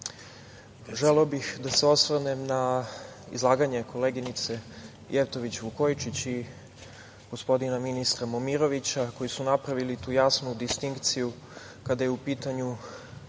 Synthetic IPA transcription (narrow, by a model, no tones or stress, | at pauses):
ʒeleobixd̪aseo̞sʋnemnaḭzlˠaːɡaɲe̞ko̞le̞ɡinit̪se̞ | jʔeft̪o̞ʋit͡ɕʋuko̞jt͡ʃit͡ɕi | ɡ̥o̞spo̞d̪inaminist̪ɾamomiɾo̞ʋit͡ɕako̞jisunapɾaʋilit̪uːjaːsnud̪ist̪iŋkt̪siju | kad̪ajeupiːt̪aɲu